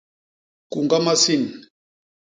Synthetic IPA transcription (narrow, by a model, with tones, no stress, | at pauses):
ku˨ŋɡa˦ma˦si˦˨n˨